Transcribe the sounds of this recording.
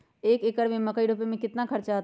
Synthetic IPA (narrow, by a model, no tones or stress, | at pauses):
eːkekəɽmẽməkəiɖʱopemẽkɪt̪nakʰəɾt͡ʃaɦt̪